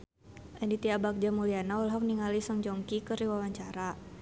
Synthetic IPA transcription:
ʔɛndit̪iabak̚d͡ʒamulianaulɦɔk̚niŋalisɔŋd͡ʒɔŋkikəɾiwawaɲt͡ʃaɾa

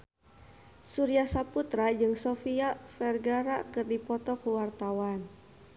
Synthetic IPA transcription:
suɾiahsaput̪ɾad͡ʒɨŋsɔfiafɛrɡaɾakɨrdipɔt̪ɔkuwart̪awan

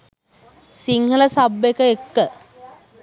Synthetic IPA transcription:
siŋhələsabekəekːə

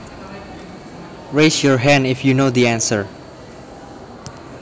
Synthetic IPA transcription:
ɹesjɔɹɦæ̃ndɪfjunod̪iæ̃nsəɹ

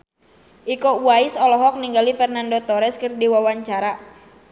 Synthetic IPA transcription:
ʔikɔuaisɔlɔɦɔk̚niŋɡalifɛrnandɔt̪ɔɾɛskɨrdiwawaɲt͡ʃaɾa

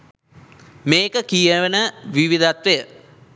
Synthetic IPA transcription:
meːkəkijəʋənəʋiʋid̪ʱat̪ʋejə

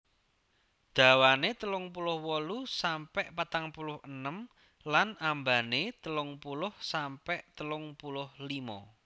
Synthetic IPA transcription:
d̪̥a̤wanet̪əlʊŋpulʊhwɔlusampɛʔpat̪aŋpulʊhənəm | lanambanet̪əlʊŋpulʊhsampɛʔt̪əlʊŋpulʊhlimɔ̰

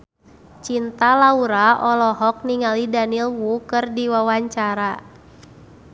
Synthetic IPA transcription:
t͡ʃint̪alauɾaʔɔlɔɦɔk̚niŋalidanilwukɨrdiwawaɲt͡ʃaɾa

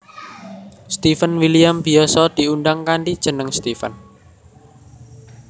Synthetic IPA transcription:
st̪ifənwilijambi̤ɔsɔd̪̥i̤unɖaŋkaɳɖid̥ʒ̥ə̤nəŋst̪ifə̰n

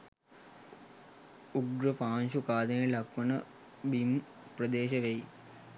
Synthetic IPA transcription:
uɡɾəpaːnɕukaːd̪ənejelɐkʋɐnə | bim | prəd̪eːɕɐʋej

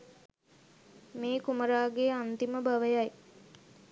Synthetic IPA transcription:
meːkuməɾaːɡeant̪iməbaʋəjaj

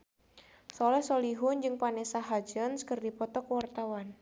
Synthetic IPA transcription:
sɔlɛhsɔliɦʊnd͡ʒɨŋpanɛsaɦad͡ʒənskɨrdipɔt̪ɔkwart̪awan

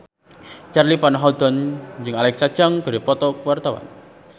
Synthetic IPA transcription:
t͡ʃarlipanɦɔd̪̥ɔnd͡ʒɨŋalɛk̚sad̥d͡ʒaŋɡ̥a̤ɾipɔt̪ɔkuwart̪ɔwa̰n

